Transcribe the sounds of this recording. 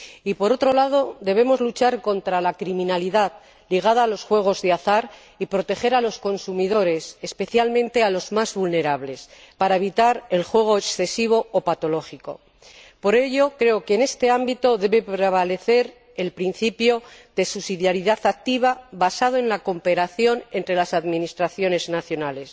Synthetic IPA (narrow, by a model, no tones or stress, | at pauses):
ipo̞ɾo̞t̪ɾo̞lað̞o̞d̪e̞β̞e̞mo̞zlut͡ʃaɾko̞nt̪ɾalakɾimĩnaliðað | liɣ̞að̞aːlo̞sxwe̞ɣ̞o̞zðeaθaɾ | ipɾo̞t̪e̞χe̞ɾalo̞sko̞nsumiðo̞ɾe̞sespe̞θjalmẽnt̪e̞alo̞zmazβulne̞ɾaβle̞s | paɾae̞βit̪aɾe̞lxwe̞ɣ̞o̞eksθe̞siβ̞o̞opat̪o̞lo̞χiko̞̰ | po̞ɾe̞ʝo̞kɾe̞okene̞st̪e̞ambit̪o̞ðe̞βe̞pɾeβale̞θe̞ɾ | e̞lpɾin̟θipjoðe̞susiðjaɾiðaθak̚t̪iβ̞aβasað̞oe̞nlako̞mpe̞ɾaθjo̞ne̞nt̪ɾe̞lasaðminist̪ɾaθjo̞ne̞znaθjo̞nale̞s